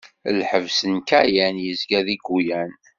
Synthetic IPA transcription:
lħəvsənkæjænjəzɡæðiɡːujæn

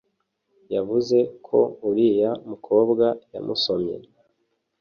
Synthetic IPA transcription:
javuze̞kʰo̞̰uɾijamukʰo̞ːbɡaja̰muso̞mɲḛɾ

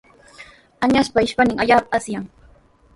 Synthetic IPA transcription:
aɲaspaɪʃpanɪŋaʎaːpaasjaŋ

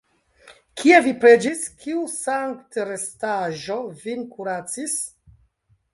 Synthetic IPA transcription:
kʰie̞vipɾe̞d͡ʒiskiusaŋktɾestaʒovinkuɾat͡sis

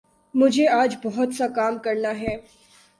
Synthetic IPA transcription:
mʊd͡ʒʱeaːd͡ʒbɔɦɔt̪sakaːmkəɾɳaɦɛː

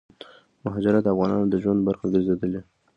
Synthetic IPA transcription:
mʊɦɑd͡ʒaɾad̪əafɣɑnɑnod̪əʒwand̪baɾxaɡəɾzed̪əle

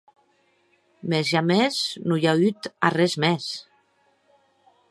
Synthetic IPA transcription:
mezʒameznujayt̪arɛzmɛs

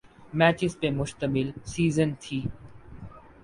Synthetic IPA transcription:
mɛːt͡ɕɪspemʊʃt̪əmɪlsiːzənt̪ʰiː

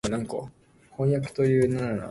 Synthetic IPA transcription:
nãŋko̰ | hõj̃jakɯ̟̥t̪o̞jɯ̟ːnannana̰

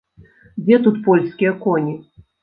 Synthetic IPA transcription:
d͡zʲɛt̪ut̪pɔlʲskʲijɐkɔnʲi

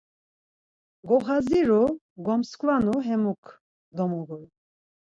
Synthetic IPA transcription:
ɡɔχaziɾu | ɡɔmskʰʼvanuɦɛmukʰ | d̪ɔmuɡul

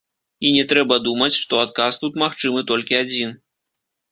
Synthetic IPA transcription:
inʲɛt̪ɾɛbɐd̪umɐt͡sʲʂt̪ɔat̪̚kast̪ut̪maxt͡ʂɨmɨt̪ɔlʲkʲiad͡zʲin

